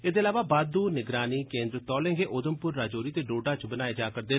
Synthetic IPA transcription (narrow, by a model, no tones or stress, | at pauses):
eːd̪eːlaːʋaːbaːd̪uːnɪɡɾaːniːkẽːnd̪ɾət̪ɔːlẽːŋɡeːʔoːd̪əmpʊɾːaːd͡ʒoːɾiːt̪eːɖoːɖaːt͡ʃbənaːeːd͡ʒaːkəɾd̪eː